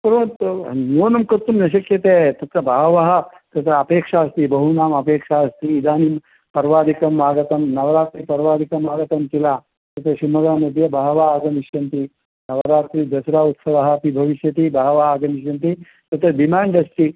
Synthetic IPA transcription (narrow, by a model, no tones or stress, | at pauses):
pɐɾont̪nionɐmkɐt̪umnɐɕ̬ɐkjɐt̪et̪ɐt̪ɐbʱaɦʋaɦɐ | t̪ɐt̪ɐɐpeːkʂaɐst̪iːbɐɦunaːmɐpeːkʂaɐst̪iːd̪aːnim | pɐɾʋaːɾikɐmːaːɡɐt̪ɐmnɐʋɾaːt̪ɾiːpɐɾʋaːɾikɐmaːɡɐt̪ɐmt̪ila | t̪ɐt̪ʰɐɕimɐɡaːnɐd̪ijɐbʱaɦʋaːɡɐmiʃjɐnt̪i | nɐʋɾaːt̪ɾiːd̪ɐsɾaːut̪sɐʋaɦɐpibʱɐʋiʃjɐt̪iːbʱaɦʋaːɡɐmiɕjɐnt̪i | t̪ɐt̪ɐd̪imaːɳɖɐst̪i